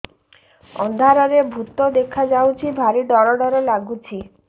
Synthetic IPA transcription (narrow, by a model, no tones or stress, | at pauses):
ɔnd̪ʱaɾɔɾebʱut̪od̪ekʰad͡ʒawt͡ʃʰibʱaɾiɖɔɾɔɽɔɾɔlaɡut͡ʃʰi